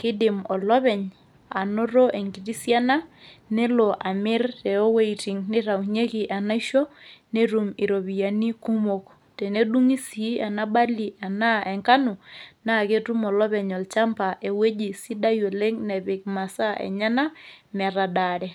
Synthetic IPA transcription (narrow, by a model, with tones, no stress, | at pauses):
kɪ˦dɪ˨mɔ˨lɔ˦βɛ˨ɲ | a˨no˦ɾo˦ʔe˨ŋɡi˨ɾi˦sja˦na˦nɛ˦lo˨ʔa˨mɪ˦rɛ˨ɔ˦we˦iti˨ŋnɪ˦ɾa˨u˨ɲe˦ki˨ʔa˨na˦i˦ʃo˦ne˦ɾu˨mi˨ɾo˨βi˨ja˨ni˦ku˦mo˨k | tɛ˨ne˦du˦ŋi˦si˨˦a˨na˦ba˦li˨ʔa˨na˦ʔɛ˨ŋka˦nu˨na˦˨ke˦tu˦mɔ˨lɔ˦βɛ˨ɲɔ˨lt͡ʃa˦mpa˨ʔe˨we˦d͡ʒi˨si˦da˦je˨le˦ŋnɛ˨βɪ˨kma˨sa˦ʔɛ̰˨ɲa˦na˦mɛ˨ɾa˨da˨ɾɛ˨